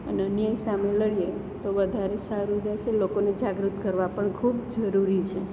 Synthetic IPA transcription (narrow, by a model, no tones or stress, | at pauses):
əneənjajsameləɭijet̪oʋəd̪ʱaɾesəɾuɾət͡ʃʰelokoned͡ʒaɡɾut̪kəɾʋapəɳkʰubd͡ʒəɾuɾit͡ʃʰe